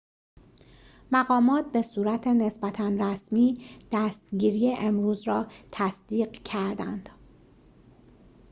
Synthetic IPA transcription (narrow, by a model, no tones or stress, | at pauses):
mæɣɒːmɒːt̪̚ʰbe̞suːɾæt̪ʰe̞ne̞sbæt̪ʰænræsmiːd̪̥æst̪ɟiːɾiːje̞ʔemɾuːzɾɒːt̪ʰæsd̪̥iːɢcʰæɾd̪æ̰nd̪̥